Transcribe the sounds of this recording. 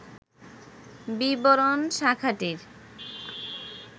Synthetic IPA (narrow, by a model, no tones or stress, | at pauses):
biboɾonʃakʰaʈiɾ